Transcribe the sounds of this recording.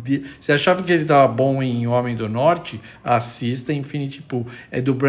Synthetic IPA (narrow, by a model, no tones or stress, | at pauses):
d̪isɪaʃavɐkɪelɪt̪avɐbõẽj̃õmẽj̃d̪ʊnɔɾt͡ʃɪ | asist̪ɐĩfĩnit͡ʃ̪ipuɛd̪ʊbɾ